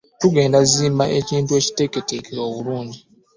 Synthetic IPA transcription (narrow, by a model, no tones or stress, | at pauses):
tuɡe̞ːndaziːmbaʔeciːntue̞ci̥te̞ketekeo̞ːβuluːɲɟi